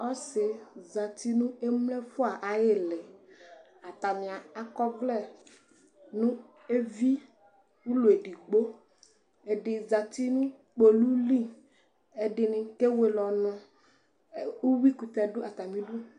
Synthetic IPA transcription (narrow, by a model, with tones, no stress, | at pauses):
ɔ˦sɪ˨za˨t̪i˦nũ˦e˦mlɛ˦fʊ˦a˨ʔa˨jɪ˦lɪ˨ | a˨t̪a˨mɪ̃˨a˨a˦kɔ˦ɡlɛ˦˨ | nʊ̃˦ | e˦vi˦ | wu˦lo˨e˨ɖi˨ɡ͡bo˦ | e˨ɖɪ˨za˨t̪i˦nũ˦ | k͡po˨lu˦li˦˨ | e˨ɖɪ˨nɪ̃˨˦ke˦we˨lɔ˨nʊ̃˦˨ | u˦wi˦ku˨t̪ɛ˨dʊ˦ʔa˨t̪a˨mĩ˦ɖu˦